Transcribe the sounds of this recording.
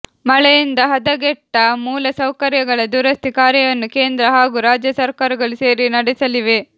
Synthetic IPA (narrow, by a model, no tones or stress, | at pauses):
mɐɭɛjind̪ɐɦɐd̪ɐɡɛʈːɐmuːlɐsɐwkɐɾjɐɡɐɭɐd̪uːɾɐst̪ikaːɾjɐjɐnːuke̞ːnd̪ɾɐɦaːɡuɾaːd͡ʒjɐsɐɾkaːɾɐɡɐɭuse̞ːɾinɐɽɛsɐliʋe̞